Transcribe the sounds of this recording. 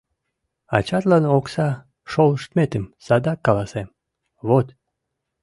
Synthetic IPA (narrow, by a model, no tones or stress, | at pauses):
ɑ̰t͡ɕɑt̪lɑnoksɑ | ʃoləʃt̪met̪əmsɑd̪ɑkːɑlˠɑsem | βot̪